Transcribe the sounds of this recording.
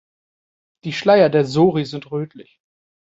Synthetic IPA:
d̥iːʃlaɪɐdeːɐzoːʁizɪntʁøːtʰlɪ̰ç

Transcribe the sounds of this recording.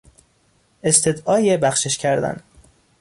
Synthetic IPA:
e̞st̪ʰed̪ɒːjebæxʃeʃcʰæɾd̪æ̰n

